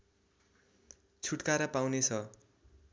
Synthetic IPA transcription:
t͡sʰuʈkaɾʌpawnet͡sʰʌ

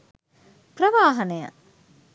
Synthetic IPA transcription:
prɐʋaːɦɐnəjɐ̰

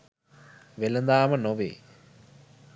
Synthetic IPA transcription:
ʋelənd̪aːmənoʋḛː

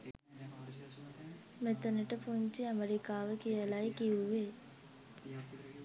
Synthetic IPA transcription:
met̪ənəʈəpuɲt͡ʃiɐmeɾikaːʋəkijəlajkiuʋe

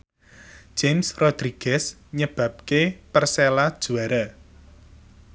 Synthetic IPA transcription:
ʒ̥emsrod̪̥ɾiɡ̥ɛsɲəb̥ä̤p̚kepərselad̥ʒ̥uaɾa

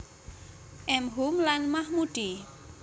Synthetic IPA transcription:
ʔɛmɦumlanmahmuɖ̥i

